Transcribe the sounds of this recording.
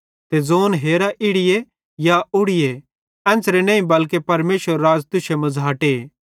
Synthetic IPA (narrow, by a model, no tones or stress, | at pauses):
t̪ed͡zoːnɦeːɾaʔɪɽɪje | jaʊɽɪje | ɛ̃ːnt͡sɾenɐ̃ːĩbɐlkepɐɾmeːʃəɾːaːd͡ʒt̪ʊʃemɐ̃d͡zaːʈe